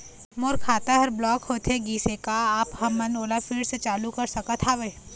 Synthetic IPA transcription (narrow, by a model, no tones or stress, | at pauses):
moɾkʰaːt̪aɦɐɾblɔːkhoːt̪ʰeɡiːsekaaːphɐmːɐnoːlafʰiːɖset͡ʃaːlukɐɾsɐkət̪ʰaːʋe